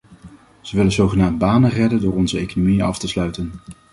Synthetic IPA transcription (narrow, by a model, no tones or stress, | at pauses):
z̥əʋɪlənzowχənaːmbaːnərɛdəndʊːɹɔnzəejkonomiənɑ̰ftəslœɥtən